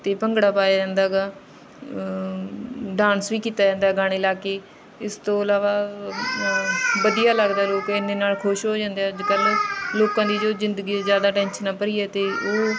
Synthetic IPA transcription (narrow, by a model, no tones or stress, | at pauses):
t̪eːpəŋɡɽaːpaːjaːd͡ʒɛ̃ːnd̪aːɡaː | ɖãːnsʋiːkiːt̪aːd͡ʒɛ̃ːnd̪aːɡaːɽ̃eːlaːkeː | ɪst̪õːəlaːʋaː | ʋəd̪ijaːləɡd̪aːloːkɪnd̪eːnaːlkʰʊʃɦoːd͡ʒãːnd̪eaːəd͡ʒkəlloːkãːd̪iːd͡ʒoːzɪ̃nd̪əɡiːzjaːd̪aːʈɛːnʃənaːpəɾiːɛːt̪eːoː